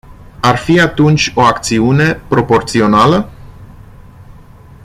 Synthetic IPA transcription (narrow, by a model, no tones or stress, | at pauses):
arfiat̪unt͡ʃʲo̞akt̪siune̞pɾo̞po̞rt̪sio̞nalə